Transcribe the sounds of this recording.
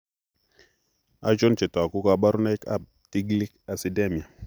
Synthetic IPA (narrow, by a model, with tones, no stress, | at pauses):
a˦t͡ʃo˦nt͡ʃe˨ta˨ku˦ka˦˨ɓa˦ɾu˦na˦i˦ka̰˦˨b̚ | ti˦ɡli˦ka˨si˨de˦mi˨a˨